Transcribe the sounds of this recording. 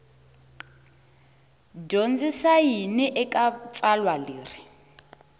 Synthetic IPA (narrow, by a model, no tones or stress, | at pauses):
ɟond͡zisajiniʔɛkʼat͡sʼalwaliːri